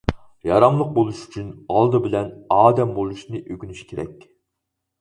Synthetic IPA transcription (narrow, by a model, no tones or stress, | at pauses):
jɑɾɑmlˠəq̚bolˠuʃy̥t͡ʃʰynɑlˠd̪ɨbɪlɛnɑːd̪ɛmbolˠuʃnɨʔøɡʲynyʃkʲʰeɾɛ̰kʲ